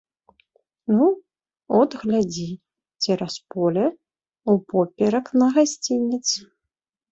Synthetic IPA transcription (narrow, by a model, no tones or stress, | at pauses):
nu | ɔd̪ɣlʲad͡zʲi | t͡sʲiɾaspɔlʲɛ | upɔpʲɛɾɐknɐɣasʲt͡sʲinʲit̪sɨ